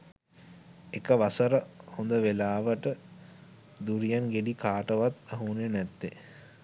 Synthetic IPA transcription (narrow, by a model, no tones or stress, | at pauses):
ekəʋasəɾəhond̪əʋelaːʋəʈə | d̪uɾijanɡeɖikaːʈəʋat̪aɦunenɛt̪ːe